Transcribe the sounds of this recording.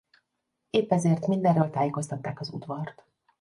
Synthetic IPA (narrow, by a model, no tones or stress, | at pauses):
eːpːɛzeːrt̪mind̪ɛrːøːlt̪aːjeːko̞st̪ɒt̪ːaːkɒzṵd̪ʋɒrt̪